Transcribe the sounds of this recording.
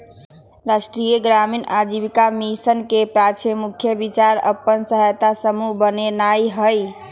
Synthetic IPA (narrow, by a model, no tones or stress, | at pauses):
ɾasʈɾijəɡɾaminad͡ʒibikamisənkepat͡ʃʰemukʰjəbit͡ʃaɾə̰pːənsəɦajt̪asəmubənenajɦəj